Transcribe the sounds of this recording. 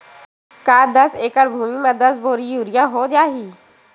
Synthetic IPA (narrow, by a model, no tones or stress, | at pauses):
kaːd̪əseːkəɽbʱuːmiːmãd̪əsboːɾijuːɾɪjaːɦoːd͡ʒaːɦiː